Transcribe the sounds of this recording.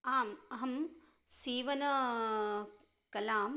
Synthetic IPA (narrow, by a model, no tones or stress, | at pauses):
aːmɐɦɐm | siːʋɐnɐ | kɐlaːm